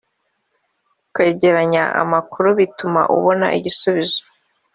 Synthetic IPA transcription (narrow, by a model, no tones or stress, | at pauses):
keɟe̞ɾaɲaa̰makuɾuβituma̰ʔṵβo̞na̰ʔḭɟisuβizo̥